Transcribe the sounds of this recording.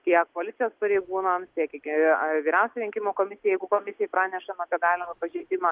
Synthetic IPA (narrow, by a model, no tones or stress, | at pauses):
t̪ʲiɛkkoːlʲɪt̪ʲɪjoːspɐɾʲeɪɡuːnɐmst̪ʲiɛkkʲʋʲiːɾʲɛʊsʲɛɾʲɪŋʲkʲɪmoːkoːmʲɪsʲɪjɛjɛɪɡʊkoːmʲɪsʲɪjɛpɾɑːnʲɛʃɐnoːpʲɛɡɑːlʲɪmɐpɐʒʲɛɪd̪ʲɪmɐ